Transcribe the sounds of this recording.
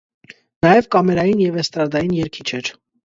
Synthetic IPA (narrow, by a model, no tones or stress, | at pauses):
nɑjɛvkɑmɛɾɑjinjɛvɛst̪ɾɑd̪ɑjinjɛɾkʰit͡ʃʰɛɾ